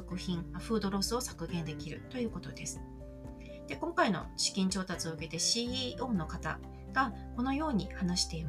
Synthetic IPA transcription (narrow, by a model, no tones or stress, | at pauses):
okɯ̟çĩŋaɸɯ̟ːd̪o̞ɾo̞sɨo̞sḁkɯ̟ɡẽ̞nd̪e̞kʲiɾɯ̟̰t̪o̞jɯ̟ːko̞t̪o̞d̪e̞sɨ̥ | d̪̥e̞kõ̞ŋkaino̞̰ɕi̥kʲĩɲ̟t͡ɕo̞ːt̪at͡sɨo̞ɯ̟ke̞t̪e̞ɕiːiːʔo̞ːno̞kat̪a̰ | ɡ̥a | ko̞no̞jo̞ːɲ̟ihanaɕi̥t̪e̞im